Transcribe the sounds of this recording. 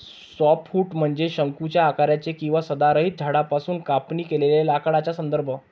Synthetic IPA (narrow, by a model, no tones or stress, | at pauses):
sɔpfuːʈm̤əɳd͡zeɕəŋkut͡ɕjaːkaɾjat͡sekĩw̃ʋasəd̪aɾəɦiːt̪̚d͡ʑʱaɽapasuːnkapniːkeleljalakaɽat͡ɕasənd̪əɾbʱə